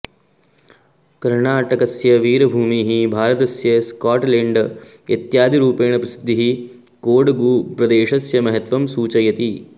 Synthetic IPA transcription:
kɐɾɳaːʈɐkɐsjɐʋiːɾɐbʱuːmiːɦibʱaːɾɐt̪ɐsjɐskaːʈleːɳɖ | jet̪jaːd̪iɾuːpeːɳɐpɾɐsi̥d̪ʱːiɦi | koːɖɐɡuːpɾɐd̪eːʃɐsjɐmɐɦɐt̪ʋɐmsuːt͡ʃɐjɐt̪i

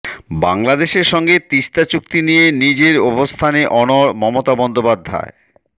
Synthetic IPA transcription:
baŋlad̪eʃeɾʃɔŋɡet̪iʃt̪at͡ɕuk̚t̪inijenid͡ʑeɾɔbost̪ʰaneʔɔnoɾmɔmot̪abɔnd̪opad̪ʱːa̰e

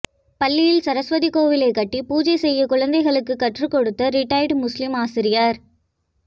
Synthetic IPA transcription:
pɐlːɪjɪlsɐɾɐsʋɐðikoːʋɪlɐɪkːɐʈːipuːd͡ʒɐɪsɛjːɐkʊɻɐnd̪ɐɪɣɐɭɯkːɯkːɐʈrɯkɔɽɯt̪ːɐɾɪʈːɐɪɖmʊslɪmaːsɪɾɪjɐɾ

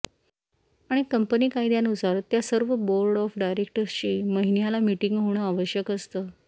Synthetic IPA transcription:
aɽ̃ikəmpəniːkaid̪janusaɾt̪jasəɾʋəboɾɖɔfɖajɾek̚ʈəɾst͡ɕiːməɦinjalamiʈiŋɡɦoɳ̃əaʋəɕjəkəst̪əː

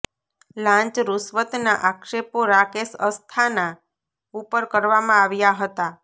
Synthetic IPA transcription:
lãɲt͡ʃɾusʋət̪naʔakʃepoɾakesəst̪ʰana | upəɾkəɾʋamãaʋjaɦət̪a

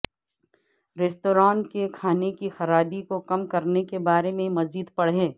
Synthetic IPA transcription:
ɾeːsʈoːɾãːnkekʰaːnekixɐɾaːbikokɐmkɐɾnekebaːɾemẽmɐziːd̪pɐɽ̤ɦẽː

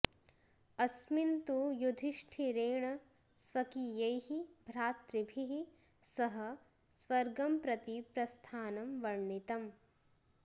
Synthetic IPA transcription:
ɐsmint̪ujud̪ʱiʃʈʰiɾeːɳɐ | sʋɐkijɐjhibʱɾaːt̪ɾibʱiɦi | sɐɦɐ̆ | sʋɐɾɡɐmpɾɐt̪ipɾɐst̪ʰaːnɐmʋɐɾɳit̪ɐm

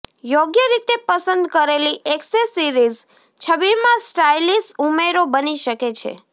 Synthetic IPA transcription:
joɡjəɾit̪epəsənd̪kəɾeliʔeksesiɾiz | t͡ʃʰəʋiɾmãsʈajlisumeɾobəniʃəket͡ʃʰḛ

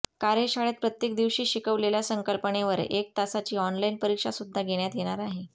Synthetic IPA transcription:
kaɾeɕaɭət̪̚pɾət̪jek̚d̪iʋɕiːɕikəʋleljasəŋkəlpəɳeʋəɾek̚t̪asat͡ɕiːɔnlainpəɾikʂasud̪ʱːaɡʱeɽ̃jat̪jeɽ̃aɾaɦe

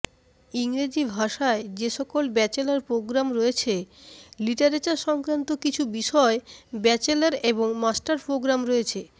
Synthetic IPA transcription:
iŋɾed͡ʑibʱaʃaed͡ʑeʃɔkolbɛt͡ɕelaɾpɾoɡɾamɾojet͡ɕʰeliʈaɾet͡ɕaɾʃɔŋkɾant̪okit͡ɕʰubiʃɔebɛt͡ɕelaɾeboŋmasʈaɾpɾoɡɾamɾoet͡ɕʰe

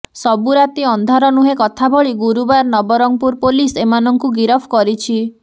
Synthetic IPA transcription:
sɔbuɾat̪iɔnd̪ʱaɾɔnuɦekɔt̪ʰabʱɔɭiɡuɾubaɾnɔbɔɾɔŋpuɾpolisemanɔŋkuɡiɾɔpʰkɔɾit͡ʃʰi

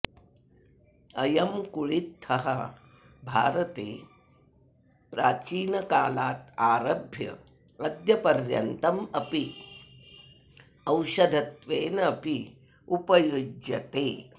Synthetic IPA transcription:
ɐjɐmkuɭit̪hɐɦɐ̰ | bʱaːɾɐt̪eː | pɾaːt͡ʃiːnɐkaːlaːt̪aːɾɐbʱjɐ̰ | ɐd̪jɐpɐɾjɐ̰nt̪ɐmɐpi | ɐwʃɐd̪ʱɐt̪ʋeːnɐɐpi | upɐjud͡ʒjɐt̪eː

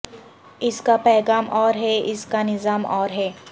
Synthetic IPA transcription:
ɪskapɛːɣaːmʔɔːɾɦɛɪskanɪzaːmɔːɾɦɛː

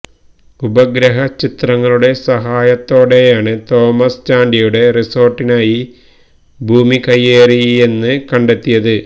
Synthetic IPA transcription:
ubɐɡɾɐɦɐt͡ɕit̪rɐŋːɐɭuɽe̞sɐɦaːjɐt̪ːo̞ːɽe̞jaːɳɨt̪o̞ːmɐst͡ɕaːɳɖijuɽe̞riso̞ːrʈːinaːji | bʱuːmikɐjːeːriie̞nːɨkɐɳɖe̞t̪ːijɐðɨ

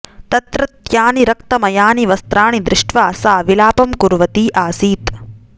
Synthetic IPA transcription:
t̪ɐt̪ɾɐt̪jaːniɾɐkt̪ɐmɐjaːniʋɐst̪ɾaːɳid̪ɾɪʂʈʋaːsaːʋilaːpɐmkuɾʋɐt̪iːʔaːsiːt̪

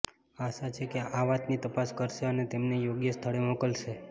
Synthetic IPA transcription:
aʃat͡ʃʰekeʔaʋat̪nit̪əpaskəɾʃeənet̪emnejoɡjəst̪ʰəɭemokəlʃe

